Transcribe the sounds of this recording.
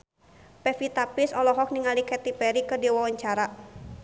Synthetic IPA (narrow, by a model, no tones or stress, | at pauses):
pɛfit̪apisɔlɔɦɔk̚niŋalikɛt̪ipɛɾikədiwawaɲt͡ʃaɾa